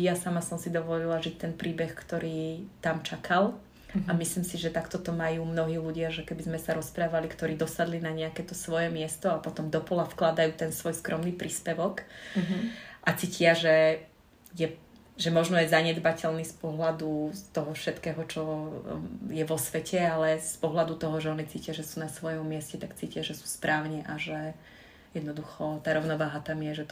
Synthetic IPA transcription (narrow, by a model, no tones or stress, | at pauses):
jasamasɔmsid̪ɔʋɔlilaʒic̚t̪ɛnpɾiːbɛxkt̪ɔɾiːt̪amt͡ʃakʰal | amisliːmsiʒɛt̪akt̪ɔt̪ɔmajuːmnɔɦiːluɟɪaʒɛkɛbizmɛsaɾɔspɾaːʋalikt̪ɔɾiːd̪ɔsad̪linaɲɛakɛt̪ɔsʋɔjɛmɪɛst̪ɔapɔt̪ɔmd̪ɔpɔlafklad̪ajuːt̪ɛnsʋɔjskɾʔɔmniːpɾiːspɛʋɔk | ʔat͡sicɪaʒɛ | jɛ | ʒɛmɔʒnɔjɛjzaɲɛd̪bacɛlniːspɔɦlad̪ut̪ɔɦɔfʃɛt̪kɛːɦɔt͡ʃɔ | jɛʋɔsʋɛcʰɛalɛspɔɦlad̪ut̪ɔɦɔʒɛɔnit͡siːcɪaʒɛsuːnasʋɔjɔmːɪɛscɛt̪akt͡siːcɪaʒɛsu̥ːspɾʔaːʊɲɛʔaʒɛ | jɛd̪nɔd̪uxɔt̪aːɾɔʊnɔʋaːɦat̪amjɛʒɛt̪